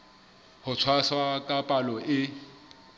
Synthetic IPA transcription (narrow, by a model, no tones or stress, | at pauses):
hʊt͡sʰwaswakʼapʼalɔʔɪ